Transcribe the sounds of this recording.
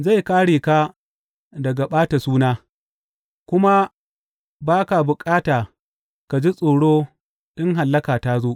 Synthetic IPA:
za˦˨jkaː˦ɽeː˨ka˦ | dɐ˨ɡa˨ɓaː˦ta˨suː˦naː˦ | kʷʊ˦ma˦ | baː˦ka˨bʊ˨kʼaː˦taː˨ | ka˨d͡ʒi˦sʼoː˨ɽoː˦ | ɗɪ˦ŋɦa˨lːɐ˦kaː˨taː˦zoː˦ʔ

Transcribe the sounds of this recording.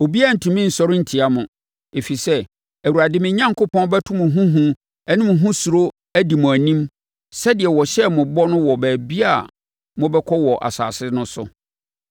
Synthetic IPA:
o˨bi˦a˦˨n̩˨tʰũ˨mĩ˦n̩˨sɔ˦ɾɪ˦n̩˨tʰi˨a˦mʊ̃˨ | e˨fi˨sɛ˦ | æ˨wu˨ɾa˨dɪ˦mɪ̃˨˦ɲã˦ŋkʰʊ˦pʰɔ̃˦nbɛ˦tʰʊ̃˦mʊ̃˨ɦũ˦ɦũ˦ | ɛ˦nĩ˦m̃˨ɦũ˦su˨ɾo˦ | æ˦di˨mʊ̃˨æ˨nĩ˦m | sɛ˦dɪ˨ɛ˨wɔ˨ɕɛ˦mʊ̃˨bɔ˦nʊ̃˦wɔ˨bæː˨bi˦a˦˨ | mʊ̃˦bɛ˦kʰɔ˦wɔ˨ʔa̰˨sa̰ː˨sɪ˦nʊ̃˦sʊ̰˨

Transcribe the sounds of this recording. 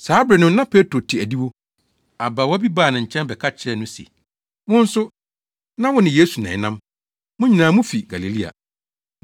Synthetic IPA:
saː˨˦bɾɛ˨nʊ̃˦nã˦pʰe˦tɾo˨tʰi˨æ˨di˦wo˦ | a˨ba˨wɔ˦bi˦baː˦˨nɪ̃˨ɲ̩˨t͡ɕʰɛ̃˦nbɛ˨kʰa˦t͡ɕʰɛ˦nʊ̃˦sḭ˨ | wʊ̃˦n̩˦sʊ˦ | nã˦wʊ̃˦nɪ̃˨je˦su˨nã̰˨nã˦m | mʊ̃˦ɲĩ˨nãː˨˦mʊ̃˦fi˨ɡa˨li˨li˦a̰˨

